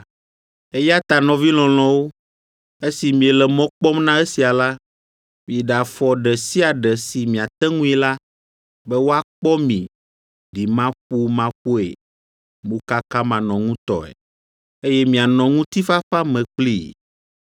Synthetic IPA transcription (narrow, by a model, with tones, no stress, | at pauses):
e˦ja˦t̪a˨nɔ̃˨vi˦l̃ɔ̃˨l̃ɔ̃˨wo˦ | e˦si˨mĩ˨ɛ˨lɛ˨mɔ̃˦k͡pɔ˦mnã˦e˦si˨a˨la˦ | mĩ˨ɖa˨fɔ˨ɖɛ˨si˦a˨ɖɛ˨si˨mĩ˨a˨t̪ɛ˦ŋũ˦i˦la˦ | bɛ˦wo˦a˦k͡pɔ˦mḭ̃˨ | ɖi˨mã˦ɸu˦mã˦ɸo˦ḛ˨ | mõ˦ka˦ka˦mã˨nɔ̃˨ŋũ˦t̪ɔ̰˨ɛ̰˨ | e˦jɛ˦mĩ˨a˨nɔ̃˨ŋũ˦t̪i˦fa˦fa˦mɛ̃˨k͡plḭ˦˨